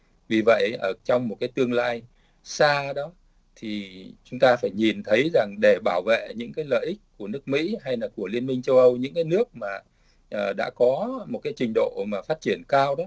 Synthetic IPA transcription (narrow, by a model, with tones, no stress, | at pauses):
vi˨˩və̰˧˨jʔəː˧˩t͡ɕɔ˧wŋ͡mmo˨˩t̚kaː˨˦jt̪ɨ˧əŋlaː˧j | saː˧ɗɔ˨˦ | t̪ʰi˨˩t͡ɕʊ˨˦ŋ͡mt̪aː˧faː˧˩jɲi˨˩nt̪ʰə˨˦jza˨˩ŋɗe˧˩ɓaː˧˩wvḛ˧˨ɲɨ̰˧˥ŋkaː˨˦jlə̰ː˧˨ʔï˦˥k̟̚ku˧˩ənɨ˦˥ək̚mḭ˧˥ɦa˧jlaː˨˩ku˧˩əli˧ənmï˧ŋ̟t͡ɕə˧wʔə˧wɲɨ̰˧˥ŋkaː˨˦jnɨ˦˥ək̚maː˨˩ | ʔəː˨˩ɗa̰ː˧˥kɔ˨˦mo˨˩t̚kaː˨˦jt͡ɕï˧˩ŋ̟ɗo̰˧˨maː˨˩faː˦˥t̚t͡ɕi˧˩ənkaː˧wɗɔ˨˦